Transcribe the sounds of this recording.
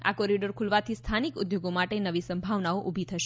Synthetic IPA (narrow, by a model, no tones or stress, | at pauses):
a̰kɔɾiɖəɾkʰulʋat̪ʰist̪ʰanikʊd̪joɡomaʈenəʋisəmbʱaʋnaoʔubʱit̪ʰəʃe